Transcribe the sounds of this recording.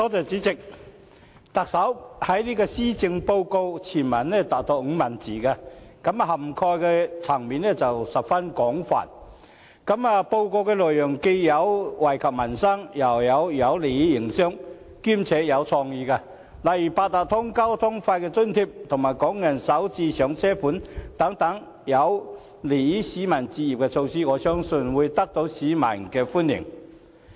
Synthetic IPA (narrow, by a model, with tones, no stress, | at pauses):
tɔː˨˥t͡sɐ˨wt͡siː˨˥t͡sɪ˨k̚ | t̪ɐ˨k̚sɐ˨˥whɐ˨˥jliː˥kɔː˧siː˥t͡sɪ˧ŋpo˧wko˧wt͡sʰiː˨˩nmɐ˨˩nlɛ˥t̪aː˨k̚t̪o˧ŋ̩˨˧mɐ˨˩nt͡siː˨˩ka˧kɐ˨˥m˧hɐ˨˩mkʰɔː˧jkɛ˧t͡sʰɐ˨˩ŋmiː˨nɛ˥t͡sɐ˨wsɐ˨p̚fɐ˥nkɔː˨˥ŋfa̰ː˨n | kɐ˨˥ma˨po˧wko˧wkɛː˧lɵː˨jjʊ˨˩ŋke˧jːɐ˨˧wwɐ˨˩jkʰɐ˨p̚mɐ˨˩nsɐ˥ŋjɐ˨˩wjɐ˨˧wjɐ˨˧wle˨˩ji˥jɪ˨˩ŋsœː˥ŋ | kiː˥mt͡sʰɛː˨˥jɐ˨˧wt͡sʰɔː˧ŋjiː˧kaː˧ | lɐ˨˩ji˨˩paː˧t̚t̪aː˨˩t̪ʰʊ˥ŋkɐ˥wt̪ʰʊ˥ŋfaː˧jkɛː˧t͡sɵ˥nt̪ʰiː˧p̚t̪ʰʊ˨˩ŋmaː˨˩jkɔː˨˥ŋjɐ˨˩nsɐ˨˥wt͡siː˧sœː˨˥ŋt͡sʰɛː˥fuː˨˥nt̪ɐ˨˥ŋt̪ɐ˨˥ŋ | jɐ˨˧w | le˨˩ji˥siː˨˥mɐ˨˩nt͡siː˧jiː˨p̚kɛ˧t͡sʰo˧wsiː˥ŋɔː˨˧sœː˥ŋsɵ˧nwuː˨˧jt̪ɐ˥k̚t̪o˨˧˥wsiː˨˥mɐ̰˨˩nkɛː˧fuː˥njɪ̰˨˩ŋ